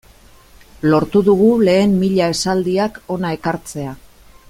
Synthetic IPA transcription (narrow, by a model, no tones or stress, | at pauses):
lo̞ɾt̪uðuɣ̞ule̞ːmːiʎae̞sald̪iako̞nae̞kaɾt͡se̞a